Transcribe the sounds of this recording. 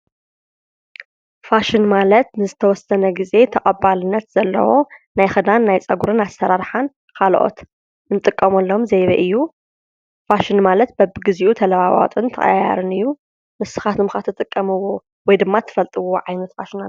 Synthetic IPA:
faʃɪnmalɐt̪nɨzɨt̪ʰɐwɔsɐnɐɡize̞t̪ʰɐkʼɐbːalɨnːɐt̪z̥ɐlːɐ̰wo̞najxɨd̪anːajt͡sʼɐɡuɾɨnasːɐɾaɾħan | kʰalʔo̞̰t̪ | ɨnɨt̪ʼɨkʼːɐmɐlːomzejβɐ̰ʔɨjːu | faʃɪnmalɐt̪̚bɐbɨɡɨziʔut̪ʰɐlɐβawa̰t̪ʼɨnt̪ʰɐxʼɐ̰jja̰ɾɨnɨjːu | mɨsɨxat̪ʰɨmxat̪ʰɨt̪ʼɨkʼːɐmɨwo̞ | wɔjd̪ɨmːat̪ʰːɨ̥fɐlt̪ʼɨwoʕajnɐt̪fa̰ʃina

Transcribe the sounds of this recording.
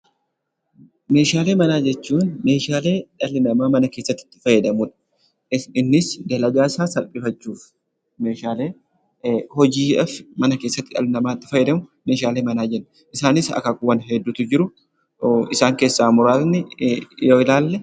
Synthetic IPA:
me̞ːʃaːle̞ːmɐnaːd͡ʒɛt͡ʃːuːnme̞ːʃaːle̞ːᶑɐlɪnɐmaːmɐnɐke̞ːsːɐt̪ːɪ̥t̪ːɪ̥fɐjːɛd̪ɐmʊᶑɐ̥ | ɪnːɪsd̪ɐlɐɡaːsaːsɐlpʼɪfɐt͡ʃːuːf | me̞ːʃaːle̞ː | hɔd͡ʒiːᶑɐfmɐnɐke̞ːsːɐt̪ːɪᶑɐ̰lɪnɐmaːt̪ːɪ̥fɐjɛd̪ɐmʊme̞ːʃaːle̞ːmɐnaːd͡ʒɛnː | ʔɪsaːnɪsɐ̰kɐkʊwɐnɦɛd̪ːʊt̪ʊd͡ʒɪɾʊ | ɪsaːŋke̞ːsːaːmʊɾaːt̪nɪjoːɪlaːlːɛ

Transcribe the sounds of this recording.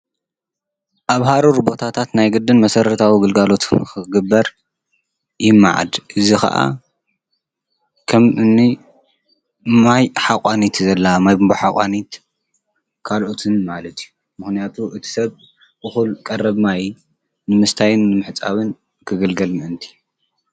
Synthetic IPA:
ʔaβɦaɾuɾbo̞t̪ʰat̪ʰat̪najɡɨd̪ɨnmɐsɐɾɐt̪ʰawiɡɨlɡalo̞t̪kɨɡɨbːɐɾ | jɪmːa̰ʕa̰d̪ʔɨzixɐ̰ʔa̰ | kʰɐmɨnːi | majħakʼanit̪zɐlːamajbmboħakʼanit̪ | kʰalʔot̪ʰɨnmalɐt̪iju | mɨxnijat̪ʰuʔɨt̪ʰi̥sɐβ | ɨxulkʼɐrɐβmaj | nɨmɨst̪ʰajɨnːɨmɨħɨt͡sʼa̰βɨn | kʰɨɡɐlɡɐlnɨnt̪ʰi̥

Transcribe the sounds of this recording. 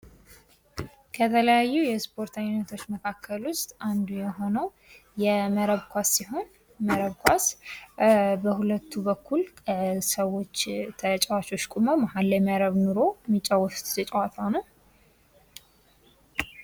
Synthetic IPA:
kʰət̪ʰələjajːujɛspʰo̞ɾt̪ajunət̪ʰo̞t͡ʃːməkʰakʰːəlwʊst̪ʼand̪ujɛɦo̞nəw | jɛməɾəβkʰʷasːiho̞n | məɾəβkʰʷas | bəhulət̪ːuβəkːuləsəwo̞t͡ʃːt̪ʰət͡ʃʼɛwat͡ʃo̞t͡ʃːkʼumowmahalːəjməɾəβnuɾomit͡ʃʼːawɔst̪zʰət͡ʃʼɛwat̪ʰawnəw

